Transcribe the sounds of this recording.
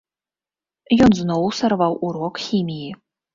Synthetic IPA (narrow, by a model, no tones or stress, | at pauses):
jɔnznowsɑrvɑwʔuɾokxʲimʲiji